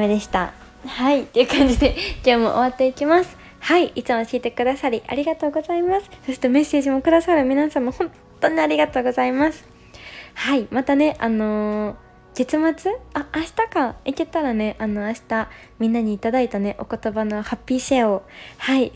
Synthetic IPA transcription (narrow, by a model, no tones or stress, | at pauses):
med̪e̞ɕi̥t̪a̰ | hait̪ːe̞jɯ̟kãɲ̟d͡ʑid̪e̞kʲo̞ːmo̞̰ʔoβat̪ːe̞ikʲimasɨ̥ | haiʔit͡sɨmoɕiːt̪e̞kɯ̟d̪asaɾʲiʔa̰ɾʲiɡat̪o̞ːɡo̞zaimasɨ̥so̞ɕ̬i̥t̪e̞me̞se̞ːʑimo̞kɯ̟d̪asaɾɯ̟mʲinasãmːohõ̞ntt̪ːo̞ɲ̟iaɾʲiɡat̪o̞ːɡo̞zaimasɨ̥ | haimat̪ane̞ʔano̞ | ɡ̥e̞t͡sɨmat͡sɨaːɕi̥t̪akaiket̪aɾane̞ʔano̞aɕi̥t̪a | mʲĩnːaɲ̟iːt̪ad̪ait̪ane̞ʔo̞ko̞t̪o̞bano̞hapʲːiːɕeohai